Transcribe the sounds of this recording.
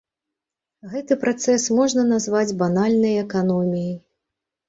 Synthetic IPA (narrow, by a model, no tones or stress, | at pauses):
ɣɛt̪ɨpɾʔat̪sɛsmɔʐnɐnazvad͡zʲbanalʲnɐjɛkanɔmʲijɐj